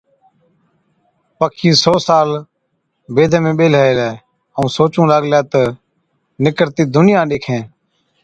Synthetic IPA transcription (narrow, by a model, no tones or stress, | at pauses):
pəkʰĩːsoːsaːl | beːd̪ʱmẽːɓeːlɦəeːleː | əũːsoːt͡ʃũːlaːɡljaːt̪ə | nɪkəɾt̪iːd̪ʊnɪjãːɗeːkʰẽː